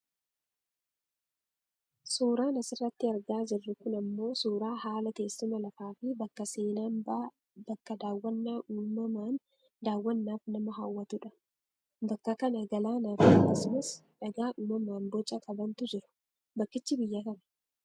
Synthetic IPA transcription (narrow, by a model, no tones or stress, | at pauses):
suːɾaːnɐsɪrːɐt̪ːɪɐɾɡaːd͡ʒɪrːɪkʊnɐmːo̞ːsuːɾaːhaːlɐt̪e̞ːsːɪmɐlɐfaːfɪbɐkːɐse̞ːnaːnbaː | bɐkːɐd̪aːwːɐnːaːʔuːmɐmaːn | d̪aːwːɐnːaːfnɐmɐɦaːwːɐt̪uᶑɐ̥ | bɐkːɐkɐnɐɡɐlaːnaːfɪɐkːɐsmɐsᶑɐɡaːʔuːmɐmaːnbɔt͡ʃʼːɐkʼɐbɐnt̪ʊd͡ʒɪɾʊ̥ | bɐkːɪt͡ʃːɪbɪjːɐkɐnɐ̥